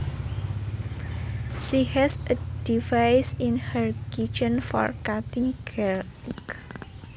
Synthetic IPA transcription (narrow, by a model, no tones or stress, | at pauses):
ʃihɛsəd̥ivajsinhəɹkid͡ʒənfɔ̰rkat̪ɪ̃ŋɡʰɛltik